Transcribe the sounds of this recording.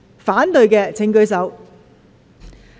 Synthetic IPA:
faː˨˥nt̪ɵ˨˧ɥkɛː˧t͡sʰɪ˨˥ŋkɵ˧ɥsɐ˨˥w

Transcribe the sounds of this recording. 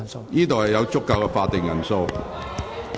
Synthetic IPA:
jiː˥t̪o˨whɐ˨jɐ˨˧wt͡sʊ˥kːaː˧wkɛ˧faː˧t̚t̪ɪ˨ŋjɐ˨˩nso˧w

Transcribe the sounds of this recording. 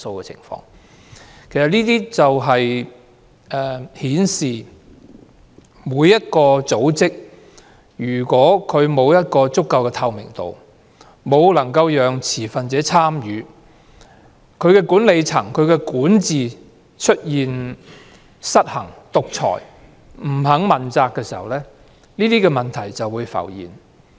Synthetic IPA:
so˧wkɛ˧t͡sʰɪ̰˨˩ŋfɔ̰ː˧ŋ | kʰe˨˩sɐ˨t̚liː˥t̪iː˥t͡sɐ˨wɦɐ˨j | ɛː˨˩hiː˨˥nsiː˨ | muː˨˧jːɐ˥t̚kɔː˧t͡so˨˥wt͡sɪ˥k̚ | jyː˨˩kʷɔː˨˥kʰɵ˨˧ɥmo˨˧wjɐ˥t̚kɔː˧t͡sʊ˥kːɐ˧wkɛ˧t̪ʰɐ˧wmɪ̰˨˩ŋt̪o̰˨w | mo˨˧wlɐ˨˩ŋkɐ˧wjœː˨ŋt͡sʰiː˨˩fɐ˨nt͡sɛː˨˥t͡sʰaː˥mjyː˨˧ | kʰɵ˨˧ɥkɛː˧kuː˨˥nle˨˧jt͡sʰɐ˨˩ŋkʰɵ˨˧ɥkɛː˧kuː˨˥nt͡siː˨˧ | t͡ʃʰɵ˥t̚jiː˨n | sɐ˥t̚hɐ˨˩ŋt̪ʊ˨k̚t͡sʰɔ̰ː˨˩j | m̩˨˩ɦɐ˨˥ŋmɐ˨nt͡saː˧kːɛː˧siː˨˩hɐ̰˨wlɛː˥ | niː˥t̪iː˥kɛː˧mɐ˨nt̪ʰɐ˨˩jt͡sɐ˨wːuː˨˧jfɐ̰˨˩wjḭː˨˩n

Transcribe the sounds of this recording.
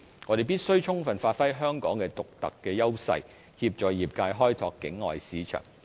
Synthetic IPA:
ŋɔː˨˧ɾe˨jpiː˥t̚sɵ˥ɥt͡ʃʰʊ˥ŋfɐ˨nfaː˧t̚fɐ˥jɦœː˥ŋkɔː˨˥ŋkɛː˧t̪ʊ˨k̚t̪ɐ̰˨kːɛː˧jɐ˥wsɐ̰˧j | hiː˧p̚t͡ʃɔː˨jjiː˨p̚kaː˧jɦɔː˥jt̪ʰɔː˧kːɪ˨˥ŋːɔ̰ː˨jsiː˨˧t͡ʃʰœ̰ː˨˩ŋ

